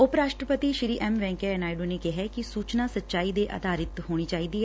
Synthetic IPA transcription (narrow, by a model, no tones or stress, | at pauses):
ʊpɾaːʃʈɾəpət̪iːʃɾiːʔɛːmʋɛ̃ːŋkɛɛnaːɪɖoːneːkɪɦɛːkɪsuːt͡ʃnaːsəːʃaːiːd̪eːʔa̰ːd̪aːɾɪt̪ɦoːɽ̃iːt͡ʃaːiːd̪iːɛː